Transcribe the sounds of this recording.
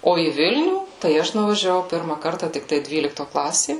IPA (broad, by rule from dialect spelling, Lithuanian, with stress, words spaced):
ˈoː iː ˈʋʲɪlʲnʲuː tɐɪ ˈɐʃ nʊʋɐʒʲɛˈʋɐʊ ˈpʲɪrmɐ ˈkɐrtɐ tʲɪkˈtɐɪ ˈdʲʋʲiːlʲɪktoː ˈklˠɑːsʲeː